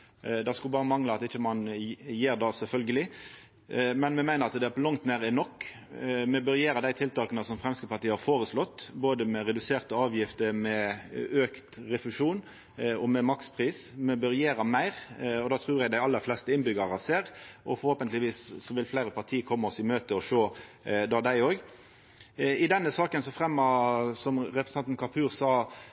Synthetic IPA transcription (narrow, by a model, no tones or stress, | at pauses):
d̪ɑskʉlbɑːɾəmɑŋləɑt̪ɪçːəmɑnjeːɾd̪ɑːsɛlfœlɡəlɪ | mɛnmɛmæɪnəɾɑt̪d̪ɛæpʰlɔŋt̪neːɾəɪnɔkː | mɛbœɾjeːɾəd̪æɪt̪ʰɪlt̪ɑːkənəsɔmfɾɛmskəpʰɑɾt̪iːəhɑɾfoːɾəslɔt̪ːboːd̪əmɛɾɛd̪ʉseːʁt̪əɑːʋjɪft̪əmɛøːkt̪ɾɛfʉʂuːn | ɔmɛmɑkspʰʁiːsmɛbœɾɪjeːɾɑmæɪɾɔd̪ɑːt̪ʰɾʉːɾjæɪd̪æɪɑlːəɾflɛst̪əɪnbʏɡəʁɑseːɾʔɔfɔɾhoːpənt̪lɪʋiːssɔʋɪlflæɪɾəpʰɑʁt̪ʰiːkʰɔmːəɔsɪmøːt̪əɔʂoːd̪ɑːd̪æɪoːɡ | ɪd̪ɛnːəsɑːkənsɔfʁɛmːɑsɔmʁɛpɾsɑnt̪nkʰɑpʰʉːɾsɑː